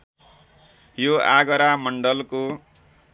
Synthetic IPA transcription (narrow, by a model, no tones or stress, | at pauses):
joa̰ɡʌɾamʌɳɖʌlko